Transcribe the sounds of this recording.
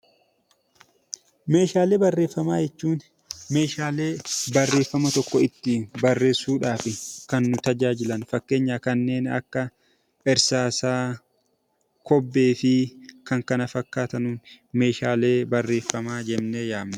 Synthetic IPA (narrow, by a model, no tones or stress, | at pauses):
me̞ːʃaːle̞ːbɐrːe̞ːfːɐmaːjɛt͡ʃːuːn | me̞ːʃaːle̞ːbɐrːe̞ːfːɐmɐt̪ɔkːɔɪt̪ːɪbɐrːe̞ːsːuːᶑaːfɪkɐnːʊt̪ɐd͡ʒaːd͡ʒɪlɐnfɐkːe̞ːɲːaːkɐnːe̞ːnɐ̰kːɐ | ɛɾsaːsaː | kɔbːe̞ːfɪkɐŋkɐnɐfɐkːaːt̪ɐnuːn | me̞ːʃaːle̞ːbɐrːe̞ːfːɐmaːd͡ʒɛmnejaːmnɐ